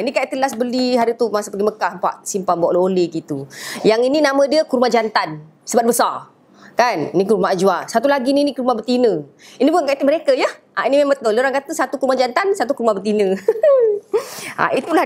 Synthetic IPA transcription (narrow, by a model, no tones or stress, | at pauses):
inikaʔit̪əlasbəliɦaɾit̪umasapəɡiməkahəmpa̰ʔsimpambaʔlooleɡit̪ujaŋininamə̃diəkuɾmad͡ʒant̪an | səbat̪̚bəsar | kaninikuɾumaad͡ʒuasat̪ulaɡininikuɾumabərt̪inə̃ | inibukankaʔit̪əʔməɾekəjəhʔainimeŋmbət̪olioɾaŋkat̪əsat̪ukuɾumad͡ʒant̪ansat̪ukuɾumabət̪̬inə̃ | a̰it̪ula